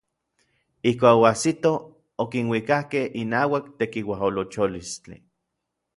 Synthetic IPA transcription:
ihkʷaːkoasit̪o | okinwikahkehinaːwakt̪ekiwaɦolot͡ʃolist͡ɬḭ

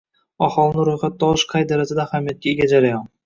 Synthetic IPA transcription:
ɒχɒlˠnɪɾʊjχat̪̚ːɒɨʃqʰɑjd̪aɾat̪ɪd̪aːhamijat̪̚kʲaeɡʲad͡ʒaɾajɒn

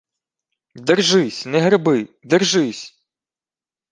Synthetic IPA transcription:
d̪ɛrʒɪsʲnɛɦɾɪbɪd̪ɛrʒɪsʲ

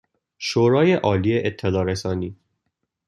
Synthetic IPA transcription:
ʃoːɾɒːjeʔɒːliːeʔet̪ʰːelɒːɾesɒːniː

